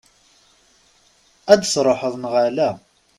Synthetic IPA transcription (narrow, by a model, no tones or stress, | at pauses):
æd̪sɾˤoħəðˤnʁalæ